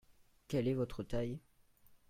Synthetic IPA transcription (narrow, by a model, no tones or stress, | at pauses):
kʲɛlɛvɔt̪χət̪aj